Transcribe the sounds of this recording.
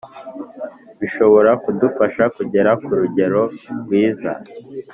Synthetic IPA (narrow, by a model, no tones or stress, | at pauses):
βiʃo̞βo̞ɾakudufaʃakuɟe̞ɾakuɾuɟe̞ɾo̞ɾɡwiːza̰